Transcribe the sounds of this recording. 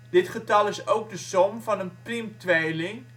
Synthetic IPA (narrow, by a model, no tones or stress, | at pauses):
d̥ɪtχətɑlˠɪsowk̚dəsɔmvɑnənprɪmtʋejlɪŋ